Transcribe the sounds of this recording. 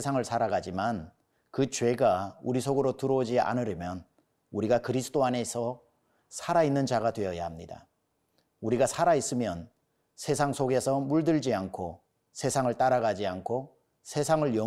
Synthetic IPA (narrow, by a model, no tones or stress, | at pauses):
esʰaŋɯɭsʰaɾaɡad͡ʑiman | kɯt͡ɕwe̞ɡauɾisʰoɡɯɾotɯɾʌod͡ʑia̰nɯɾʌmjʌn | uɾiɡakɯɾisʰɯ̥t͈oane̞sʰʌ | sʰaɾainːɯnd͡ʑaɡatwe̞ʌja̰hamɲida̰ | uɾiɡasʰaɾais͈ɯmjʌn | sʰe̞sʰaŋsʰoɡe̞sʰʌmuɭdɯɭd͡ʑiankʰo | sʰe̞sʰaŋɯɭt͈aɾaɡad͡ʑiankʰo | sʰe̞sʰaŋɯɭjʌ